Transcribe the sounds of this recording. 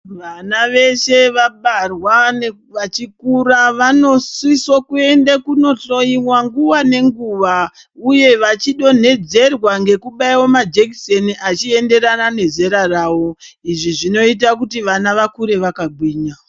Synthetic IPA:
ʋanaʋe̞ʃe̞ʋaɓarwan | ʋat͡ʃikuraʋano̞swisokue̞ndakuno̞to̞iwaŋɡuwane̞ŋɡuʋa | uje̞ʋat͡ʃiɗo̞n̤e̞d͡ze̞rwaŋɡe̞kuɓaiwo̞mad͡ʒekseniʔat͡ʃie̞nde̞ɾanane̞ze̞ɾaraːwo̞iʐiʐino̞it̬akutiʋanaʋakuɾe̞ʋakaɡʱwiːɲa

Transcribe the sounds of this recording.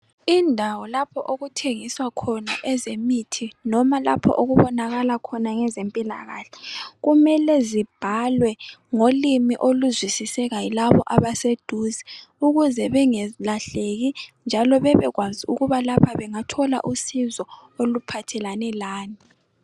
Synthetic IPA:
indʱawɔlapʰɔʔoɣutʰeŋiswakʰɔnaʔɛzemitʰinɔmala̰pʰɔ̰ʔoɣuβɔnaɣalakʰɔnaŋɛzempʼila̰ɣaːɬɛ̥ɣumɛlɛzib̥ʱalwɛŋolimiʔoluzwisisɛɣajilaβɔʔaβased̥ʱuzɛuɣuzɛβɛŋɛlaɬeɣind͡ʒʱalɔβɛβɛɣwaziuɣuβalapʰaβɛŋatʰɔla̰ʔusizɔolupʰatʰɛlanɛlaːni

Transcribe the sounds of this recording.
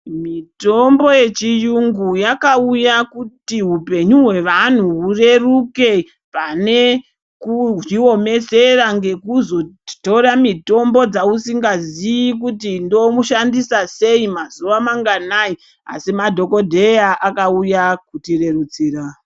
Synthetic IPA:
mito̞mbo̞je̞t͡ʃijuŋɡujakaujakutiɦupe̞ɲuɦwe̞ʋan̤uɦure̞ruke̞ | pane̞ | kuʐio̞me̞seraŋɡe̞kuzo̞to̞ɾamito̞mbo̞d͡zausiŋɡazijik̬utindo̞muʃandisase̞imazuʋamaŋɡanai | a̰simadʱo̞ko̞dʱe̞jaʔakaujakutire̞rut͡siːra

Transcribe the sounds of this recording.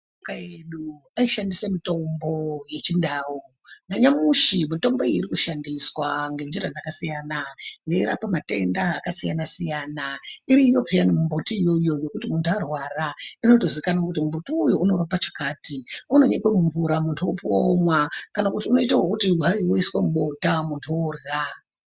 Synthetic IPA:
okaeɗu | aiʃandisemito̞mbo̞je̞t͡ʃindaːwonaɲamuʃimito̞mbo̞eiɾikuʃandiswaŋɡe̞nd͡ʒiɾad͡zakasijaːnajeiɾa̰pamate̞ndaːkasijanasijaːnaiɾiːjo̞pʰejanimumbotijo̞jo̞jo̞kutimuntʰuarwaraino̞to̞zikanakutimumbotiujo̞unorapat͡ʃakaːtiuno̞ɲekwemuɱvuɾamuntʰuwopuomwakanakutiuno̞itaɦwokutiaiwoiswamuɓo̞tamuntʰuorɣa

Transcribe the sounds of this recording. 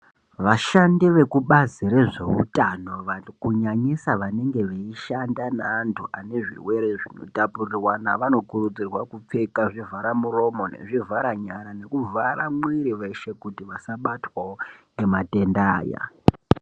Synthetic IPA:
ʋaʃandiʋe̞kuɓaziɾeʐe̞̰ṵtano̞ʋakuɲaɲisaʋane̞ŋɡe̞ʋeiʃandanaːntʰuʔane̞ʐḭwe̞ɾeʐino̞̰tapurirwana̰ʋano̞kuɾud͡zirwakup͡fe̞kaʐivʱaɾamuro̞mo̞ne̞̰ʐivaɾaɲaɾane̞kuvaɾamwiɾiʋe̞ʃe̞kutiʋasaɓatwaonemate̞ndaːja̰

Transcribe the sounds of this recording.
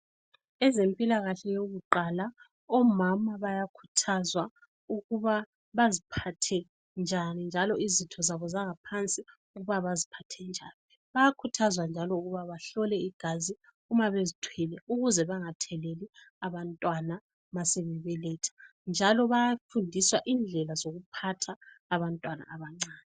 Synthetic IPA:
ɛzempʼilaɣaɬɛjoɣuǃala | ɔmamaβajakʰu̥tʰazwa | uɣuβa | βazipʰatʰɛ | nd͡ʒʱanind͡ʒʱalɔizitʰɔzaβɔzaŋapʰant͡sʼi | uɣuβaβazipʰatʰɛnd͡ʒʱaːni | βajakʰutʰazwand͡ʒʱalɔuɣuβaβaɬɔlɛiɡ̥ʱazi | umaβezitʰwilɛuɣuzɛβaŋatʰɛleli | aβantʼwana | maseβɛβɛlɛːtʰḁ | nd͡ʒʱalɔβajafundʱiswaʔind͡ɮʱɛlazoɣupʰatʰaː | βantʼwana̰ʔaβaŋ͡ǀaːnɛ

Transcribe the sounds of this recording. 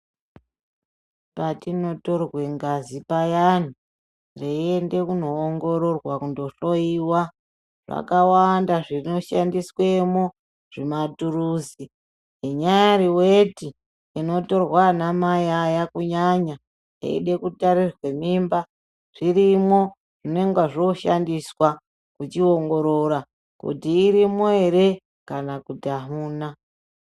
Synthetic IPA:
patino̞to̞rwe̞ŋɡazipajani | reiende̞kuno̞ːŋɡo̞ɾo̞rwakundo̞ɬo̞iwa | ʐ̥a̰kawandaʐino̞ʃandiswe̞mo | ʐ̥ematuɾuːzi | iɲajaɾiweti | ino̞to̞rwanamajajakuɲaɲa | ḛḭɗe̞kutaɾirwe̞mimba | ʐ̥iɾimo̞ | ʐ̥ine̞ŋɡaʐo̞ʃandiswa | kut͡ʃio̞ŋɡo̞ɾo̞ɾa | kṵtiːɾimoeɾe̞ | kanakutiaɦuːna

